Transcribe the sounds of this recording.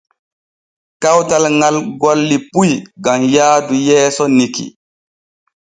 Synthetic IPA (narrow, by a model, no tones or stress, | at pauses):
kawtalŋalɡɔlːipujɡamjaːdujɛːsɔnikḭ